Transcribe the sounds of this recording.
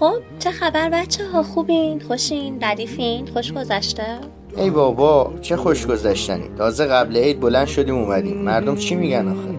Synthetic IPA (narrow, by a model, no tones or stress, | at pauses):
xob̥̚t͡ʃʰexæbæɾbæt̪t͡ʃʰːeɦɒːxuːbinxoʃinzæd̪iːfinxoʃɡo̞zæʃt̪e | ʔejbɒːbɒːt͡ʃʰe̞xoʃɡo̞zæʃt̪ænḭt̪ʰɒːzeɣæbleejd̪̚bolænd̪ʃo̞d̪iːmumæd̪ḭːmːæɾd̪omt͡ʃʰimiɟænɒːxe